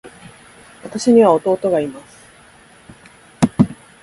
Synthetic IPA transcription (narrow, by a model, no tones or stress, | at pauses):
βat̪aɕiɲ̟iβao̞t̪o̞ːt̪o̞ɡaimasɨ̥